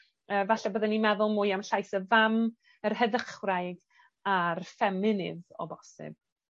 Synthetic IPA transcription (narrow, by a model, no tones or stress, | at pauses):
əːvaɬabəðɛnimɛðʊlˠmʊjamɬajsəvam | ərɦəðəχwraɨɡ | arfɛmɪnɪ̰ðɔ̰bɔsɪ̰b̥̚